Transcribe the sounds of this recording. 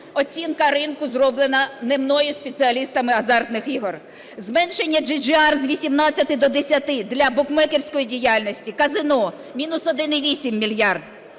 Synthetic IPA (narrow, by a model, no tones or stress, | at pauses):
ɔt͡sʲinkɐɾɪnkʊzrɔblˠenɐnemnɔjʊspʲesɪɐlʲist̪ɐmɪɐzɑrt̪nɪxiɦɔr | zmɛnʃe̞nʲːɐd͡ʒid͡ʒɪɑrzʋʲisʲimnɑt͡sʲːɐt̪ɪd̪ɔd̪esʲɐt̪ɪd̪lʲɐbʊkmɛkerʲsʲkɔjidʲijalʲnʲɔsʲtʲikɐzɪnɔ | mʲinʊsɔd̪ɪnɪʋʲisʲimːʲilʲjɑrd̪